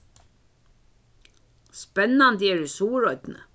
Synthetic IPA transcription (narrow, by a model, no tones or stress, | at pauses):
spɛnɑnd̪jɛːɹʉsuːɹɔʏd̪̥n̩ə̰